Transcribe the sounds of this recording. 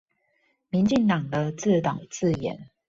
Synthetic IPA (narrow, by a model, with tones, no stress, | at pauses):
mi˧˦nt͡ɕi˥˨ŋt̪ɑ˨˩ŋd̪ə˦t͡sɹ̩˥˨t̪ɑ˨˩ŋt͡sɹ̩˥˨jɛ̰˨˦n